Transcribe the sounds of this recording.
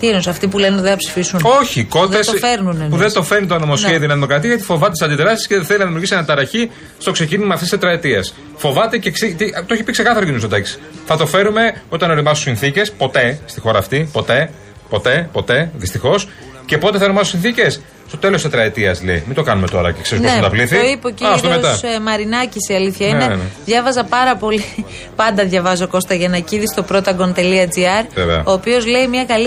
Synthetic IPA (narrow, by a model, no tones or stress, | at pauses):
t̪ienusɐft̪ipulenðeθɐpsi̥fisuno̞çiko̞tðesfeɾnunpuðet̪o̞fe̞ɾnit̪onomo̞sçeðioenɐðimo̞kɾɐt̪iɐjɐt̪i̥fo̞vɐt̪et̪sɐnd̪it̪eɾɐst̪i̥sceðθelinɐðimiuɾɣisienɐt̪ɐɾɐçi | st̪o̞kse̞cinimɐːft̪iset̪ɾɐet̪iɐs | fo̞vɐt̪e̞ceksit̪it̪ooçipikse̞kɐθɐɾocinustot̪ɐksi̥θɐt̪o̞fe̞ɾume̞o̞t̪ɐno̞ɾimɐst̪usinθice̞spo̞t̪e̞st̪ixo̞ɾɐːft̪ipo̞t̪e̞ | po̞t̪e̞po̞t̪e̞ðist̪ixo̞s | ce̞po̞t̪eθɐeɾomɐsosĩnθice̞s | st̪o̞t̪e̞loset̪ɾɐet̪iɐslḛimind̪o̞kɐnume̞t̪o̞ɾɐ̰ceksezunost̪ɐpliθioipocɐft̪omet̪sɐmɐɾinɐcisiɐliθçɐinenðʝɐvɐzɐpɐɾɐpo̞li | pɐnd̪ɐðʝɐvɐzo̞ko̞st̪ɐʝɐnɐciðist̪o̞pɾo̞t̪ɐɡo̞nt̪e̞liɐd͡ziɐɾevḛɐ̰o̞ːpio̞zleimɲɐkɐl